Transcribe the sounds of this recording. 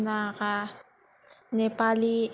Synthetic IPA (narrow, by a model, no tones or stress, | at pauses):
naɣa | nepali